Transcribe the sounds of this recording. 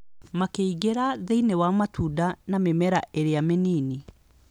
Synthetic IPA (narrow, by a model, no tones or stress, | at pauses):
makeiɣeɾaðeinewamatuːdanamemɛɾaʔeɾeameniːni